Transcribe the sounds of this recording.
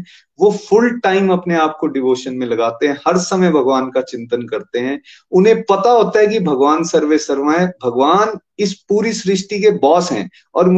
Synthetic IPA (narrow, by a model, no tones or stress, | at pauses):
ʋofʰʊlʈaːɪmɐpneaːp̚koɖɪʋoːʃənmẽlɐɡaːt̪eɦɛ̃hɐɾsɐməjbʱɐɡʋaːnkat͡ʃɪ̃nt̪ənkɐɾt̪eɦɛ̃ː | ʊnɦẽpɐt̪aɦoːt̪aɦɛkibʱɐɡʋaːnsɐɾʋesɐɾʋəbʱɐɡʋaːn | ɪspuːɾisɾɪʃʈikebɔːsɦɛ̰̃ː | ɔːɾm